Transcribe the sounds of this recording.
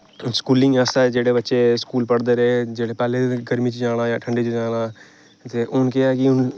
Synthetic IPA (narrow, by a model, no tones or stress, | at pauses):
skuːlɪ̃ŋaːsad͡ʒeːɽebɐtːʃeskuːlpɐɽd̪əɾɛːd͡ʒeːɽepaːleɡɐɾmit͡ʃid͡ʒaːɽ̃ajaʈʰə̃ɳɖet͡ʃed͡ʒaːɽ̃a | t̪eʔʊnkeakiʊn